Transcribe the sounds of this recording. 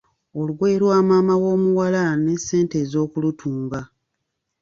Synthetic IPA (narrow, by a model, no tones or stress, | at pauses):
o̞luɡwe̞ːɾwaːmaːmawo̞ːmuwalane̞sːe̞ːnte̞ːzo̞ːkulutʰuːŋɡa